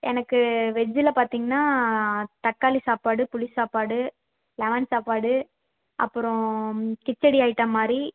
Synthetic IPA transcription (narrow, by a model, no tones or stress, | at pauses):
ɛ̰nɐkːɯʋɛd͡ʒːɪlɐpaːɾt̪iːŋɡɐnːaːt̪ɐʈ̚kːaːlisaːpaːɽɯpʊlɪsaːpaːɽɯ | lɛʋɐnsaːpaːɽɯ | ʔɐ̰pːɯɾɔ̃kɪt͡ʃːɐɽiaːjɪʈːɐmaːd̪ɾi